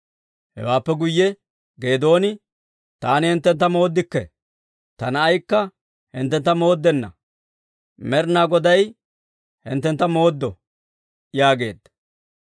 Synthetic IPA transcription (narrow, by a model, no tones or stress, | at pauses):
hɛ̰waːpːɛɡʊjːɛ | ɡe̞ːd̪o̞ːnɪ | t̪aːnɪhɛnt̪ːɛnt̪ːɐmo̞ːd̪ːɪkːɛ | t̪ɐnɐːjkːɐ | hɪnt̪ːɛnt̪ːɐmo̞ːd̪ːɛnːɐ̰ | mɛɾnaːɡɔd̪ɐj | hɪ̰nt̪ːɛnt̪ːɐmo̞ːd̪ːɔ | jaːɡe̞̰ːd̪ːɐ